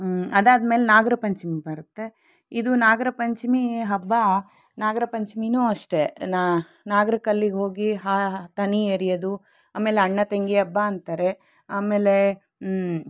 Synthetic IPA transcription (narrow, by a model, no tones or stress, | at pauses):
ɐd̪aːd̪meːlenaːɡɐɾɐpɐɲt͡ʃimibɐɾut̪ːe̞ | id̪unaːɡɐɾɐpɐɲt͡ʃimiɦɐbːa | naːɡɐɾɐpɐɲt͡ʃiminuːɐʂʈena | naːɡɐɾɐkɐlːiɡɦo̞ːɡiɦaːt̪ɐnieːɾijɐd̪u | aːme̞ːleɐɳːɐt̪eŋɡiɐbːaɐnt̪aːɾe̞ | aːmeːle